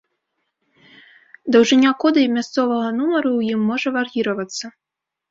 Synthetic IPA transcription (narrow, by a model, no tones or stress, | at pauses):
d̪ɐwʐɨnʲakɔd̪ɐjmʲast̪sɔvɐɣɐnumɐɾuwjimːɔʐɐvarɣʲiɾɐvɐt̪sːɐ